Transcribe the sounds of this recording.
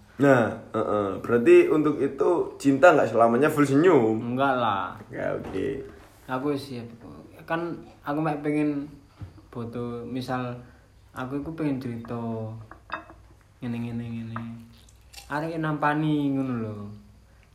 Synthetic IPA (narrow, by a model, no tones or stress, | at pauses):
nahəʔəb̥əɾart̪̬iunt̪ʊkit̪ut͡ʃint̪aŋɡaʔsəlamaɲafuls̬əɲumŋɡaʔlaka̰o̰kḛ | akuesiapkkanakumaʔpeŋɪn | b̥o̤t̪omisal | ak̬uikupeŋɪnt͡ʃəɾit̪ɔ | ŋənɛŋəneŋəne | aɾekenampanikunulo